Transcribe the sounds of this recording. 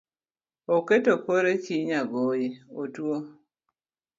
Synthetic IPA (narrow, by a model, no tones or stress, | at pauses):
oketopoɾet͡ʃiɲaɡojeotwo